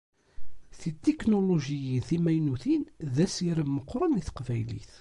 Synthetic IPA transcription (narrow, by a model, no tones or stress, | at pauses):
θit̪ːeknoloʒijinθimæjnuθinðæsiɾəmːəqːɾˤəniθə̥qvæjlḭθ